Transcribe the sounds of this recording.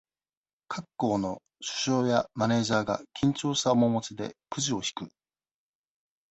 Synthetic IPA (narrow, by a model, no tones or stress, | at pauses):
kʰakːo̞ːno̞ | ɕɨ̥ɕo̞ːjamane̞ːʑaːɡa̰kʲʰĩɲ̟t͡ɕo̞ːɕt̪aomo̞mo̞t͡ɕid̪e̞̰kɯ̟ʑio̞çi̥kɯ̟